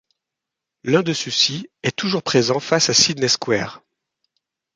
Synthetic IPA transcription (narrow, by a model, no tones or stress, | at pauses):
lɛ̃d̪əsusiɛt̪uʒuʁpχezɑ̃fasasid̪nɛskwɛ̰ːʁ